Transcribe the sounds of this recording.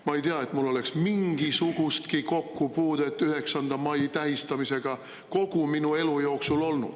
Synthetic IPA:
mɑe̞jt̪eɑe̞t̪mulːo̞le̞ksmiŋɡ̥isuɡ̥ust̪kiko̞kːupuːd̪̥et̪ːˑyhe̞ksɑnd̪ɑmɑjt̪æɦist̪ɑmise̞ɡ̥ɑ | ko̞ɡ̥uminue̞lujo̞ːksulo̞lnṵd̪̥

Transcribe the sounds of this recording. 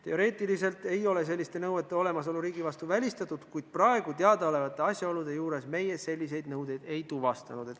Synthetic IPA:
t̪e̞o̞ɾe̞ːt̪ːˑilise̞lt̪e̞jo̞le̞s̬e̞lʲːist̪e̞nɤwe̞t̪ːˑe̞o̞le̞mɑs̬oluɾiːɡ̥ivɑst̪uvælʲist̪ɑt̪ːˑud̪̥kujd̪̥̚prɑe̞ɡ̥ut̪eɑd̪ɑo̞le̞vɑt̪ːˑe̞ɑsʲjɑo̞lud̪e̞juːɾe̞sme̞je̞se̞lʲːis̬e̞jd̪nɤwd̪e̞jd̪̥e̞jt̪uvɑst̪ɑnud̪e̞t̪ː

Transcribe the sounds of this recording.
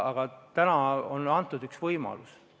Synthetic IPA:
ɑɡ̥ɑt̪ænɑonɑnt̪ːˑud̪yksvɤjmɑ̰lus

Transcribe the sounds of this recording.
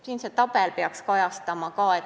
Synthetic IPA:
siːnset̪ɑb̥elpeɑkskɑjɑst̪ɑmɑkɑːe

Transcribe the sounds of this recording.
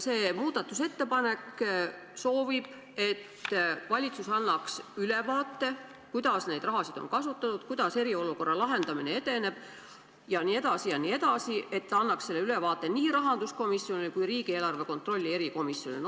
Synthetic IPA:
se̞ːmuːd̪ɑt̪ːˑuse̞t̪ːe̞pɑne̞k | so̞ːvib̥ | e̞t̪ːvɑlʲit̪susɑnːɑksylevɑːt̪ːe̞ | kujd̪̥ɑsne̞jd̪rʔɑɦɑsid̪̥o̰nkɑsut̪ːˑɑt̪ut̪kujd̪̥ɑse̞ɾio̞luko̞rːɑlɑɦe̞nd̪ɑmine̞e̞t̪e̞ne̞b̥ | jɑnie̞d̪̥ɑsijɑniːe̞d̪ɑsie̞t̪ːɑnːɑksse̞lːeyle̞vɑːt̪ˑːe̞niːɾɑɦɑnd̪̥usko̞misːio̞nikujriːɡ̥ie̞ːlɑrve̞ko̞nt̪ːˑro̞lʲːie̞ɾiko̞misːjo̞nḭn

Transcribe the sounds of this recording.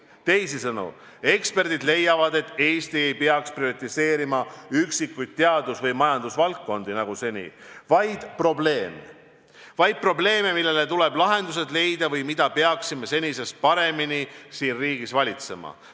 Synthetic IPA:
t̪e̞jsisɤnṵ | e̞kspe̞rd̪̥id̪le̞jːɑvɑd̪e̞t̪ːˑe̞ːst̪ie̞jpeɑkspriot̪ʲːˑise̞ːɾimɑyksikːˑujd̪̥̚t̪ːeɑd̪usvɤjmɑjɑnd̪usvɑlk̚kːo̞nd̪inɑɡuse̞nʲḭvɑjd̪̥pro̞ble̞ːme | vɑjd̪̥̚pro̞ble̞ːmemilːe̞le̞t̪ule̞blɑɦe̞nd̪us̬e̞d̪le̞jd̪̥ɑvɤjmid̪ɑpeɑksime̞se̞nʲise̞spɑɾe̞minisiːnriːɡ̥isvɑlʲit̪se̞mɑ̰

